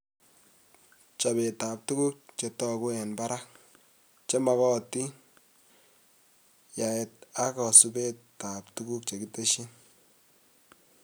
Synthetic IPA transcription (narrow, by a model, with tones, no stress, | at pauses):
t͡ʃa˨be˨ta˨p̚tu˦ku˦k̚t͡ʃe˨tɔ˦ku˦ɛ˨nba˦ɾa˦k | t͡ʃe˦ma˨kɔ˦˨ti˦ | ja˨ɛ˨ta˦kɔ˨su˦be˦ta˨ptu˦ɡu˦k̚t͡ʃe˨ki˦te˦ʃi˦n